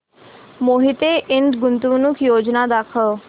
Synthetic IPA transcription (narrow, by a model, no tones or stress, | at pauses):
moːɦit̪eʔɪnɖɡʊnt̪unʊkʰjoːd͡ʒnad̪aːkʰə